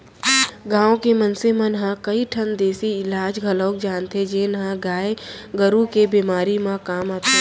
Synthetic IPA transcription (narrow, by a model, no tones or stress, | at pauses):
ɡãːõkemənsemẽnɐɦãkəiʈʰənd̪eːsiɪlaːd͡ʒɡʱələːkd͡ʒaːnt̪ed͡ʒenɦãɡaːeɡəɾukebiːmaːɾimãkaːmaːt̪e